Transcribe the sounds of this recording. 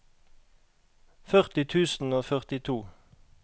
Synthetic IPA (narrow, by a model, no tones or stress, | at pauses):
fœʁt̪ɪt̪ʰʉːsn̩oːfœʁt̪ɪt̪ʰuː